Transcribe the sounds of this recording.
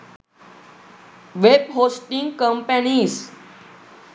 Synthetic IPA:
ʋeb̚ɦoːsʈĩŋɡkəmpənis

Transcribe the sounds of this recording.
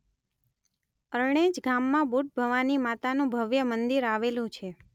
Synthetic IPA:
əɾɳ̃ẽd͡ʒɡamːãbuʈ̚bʱəʋanimat̪anũbʱəʋjəmənd̪iɾaʋelũt͡ʃʰe

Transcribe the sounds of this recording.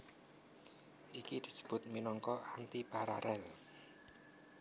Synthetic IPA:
ʔikid̪̥i̤̥sə̥b̥ʊ̤t̪̚minɔŋkɔʔant̪ipaɾa̰ɾʔɛl

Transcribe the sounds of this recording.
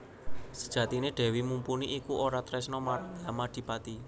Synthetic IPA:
sə̥d̥ʒ̥ä̤t̪ineɖ̪̥ɛ̤wimumpuniʔikuʔoɾat̪ɾɛsnɔmaɾaŋjamad̪̥i̤pat̪i

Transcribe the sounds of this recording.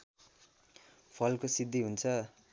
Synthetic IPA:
pʰʌlkosid̪ʱːiɦunt͡sʰʌ

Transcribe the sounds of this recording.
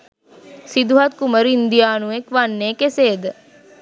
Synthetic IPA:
sid̪uɦat̪̚kuməɾind̪ijaːnuekʋanːeːkeseːd̪ə

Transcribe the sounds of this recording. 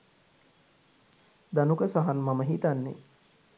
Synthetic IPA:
d̪anukəsaɦanmaməɦit̪anːḛ

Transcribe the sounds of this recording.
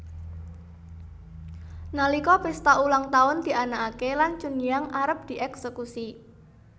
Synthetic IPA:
nalikɔpɪst̪aʔulaŋt̪aʊnd̪̥i̤ʔanakakelant͡ʃunijaŋʔaɾəp̚d̪̥i̤ʔɛksekusi

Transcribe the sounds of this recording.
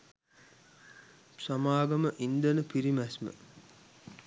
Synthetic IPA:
samaːɡɐməʔind̪ənəpiɾimæsmə̰

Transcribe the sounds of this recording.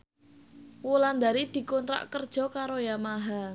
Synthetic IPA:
woland̪aɾid̪̥i̤kɔnt̪ɾa̰ʔkərd̥ʒ̥ɔ̤kaɾojamaɦa

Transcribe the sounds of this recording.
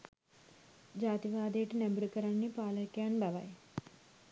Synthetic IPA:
d͡ʒaːt̪iʋaːd̪eːʈinembɐɾukɐɾanːipaːlɐkːjaːnbɐʋa̰j

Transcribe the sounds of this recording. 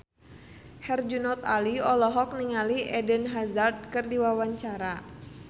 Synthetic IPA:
hɛrd͡ʒunɔt̪aliɔlɔɦɔk̚niŋaliʔɛdənɦazard̪̚kɨrdiwawaɲt͡ʃaɾa

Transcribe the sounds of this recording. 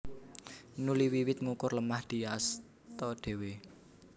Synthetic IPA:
nuliwiwɪt̪̚ŋukʊrləmahd̪̥i̤as | t̪ɔɖ̪̥e̤we

